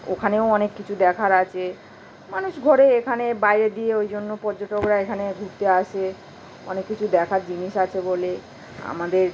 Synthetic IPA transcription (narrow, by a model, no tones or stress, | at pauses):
o̰kʰaneoɔnekːit͡ɕʰud̪ɛkʰaɾat͡ɕʰe | manuʃɡʱɔɾeekʰanebajɾed̪ieojd͡ʑonːopɔɾd͡ʑoʈokɾaekʰaneɡʱuɾt̪eaʃe | ɔ̰nekːit͡ɕʰud̪ɛkʰaɾd͡ʑiniʃat͡ɕʰebole | a̰mad̪eɾ